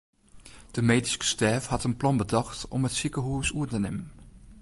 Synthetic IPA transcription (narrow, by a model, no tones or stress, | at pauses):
d̥əmeːdiskə̥stɛːfhɑtənplɔnbədɑxtɔmətsikəɦuəsuətənɪmən